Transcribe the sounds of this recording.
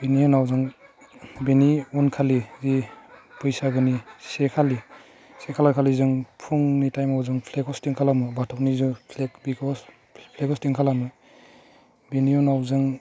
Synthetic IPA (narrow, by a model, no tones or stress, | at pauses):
b̥eniɔnawzɯŋ | beniunkʰalizipɯjsaɡɯnisekʰali | sekʰalakʰalizɯŋpʰuŋnitajmawzɯŋpʰlekɔstiŋkʰalamɯbatʰawnizupʰlekbikɔs | pʰlekɔstiŋkʰalamɯ | beniɔnawzɯŋ